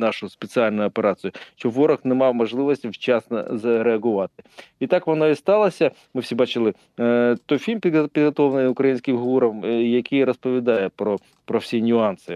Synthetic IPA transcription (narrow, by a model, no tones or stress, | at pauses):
nɑʃʊspet͡sʲɪalʲnʊjʊɔpeɾɑt͡s̪ɨjʊʃt͡ʃɔʋɔɾɐxnɛmɑwmɔʒlˠɪʋɔsʲtʲiwt͡ʃɑsnɐ̰zɾeɐɦʊʋɑt̪ɪ̥it̪ɑkʋɔnɔist̪ɑlˠɐsʲɐmɪwsʲibɑt͡ʃɪlˠɪ | t̪ɔjfʲilʲmpʲid̪pʲid̪ɦɔt̪ɔwnɪʊkɾɐjinʲsʲkʲɪmɦuɾɐmjɐkʰijɾɔspɔʋʲid̪ɑjɛpɾɔ | pɾɔwsʲinʲʊɑnsɪ